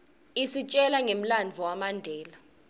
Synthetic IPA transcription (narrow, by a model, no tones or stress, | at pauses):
isit͡ʃʼɛlaŋem̩land͡vʱɔwamandʱɛːla